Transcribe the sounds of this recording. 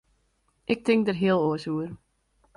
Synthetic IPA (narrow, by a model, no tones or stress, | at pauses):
ʔɪk̚tɪŋk̚dərɦiəlˠoəsuər